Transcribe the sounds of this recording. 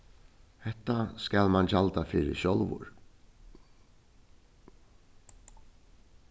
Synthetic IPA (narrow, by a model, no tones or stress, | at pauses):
hɛht̪ːaskalmant͡ɕalt̪afɪːɾɪ̰ʃɔlʋʊ̰ɹ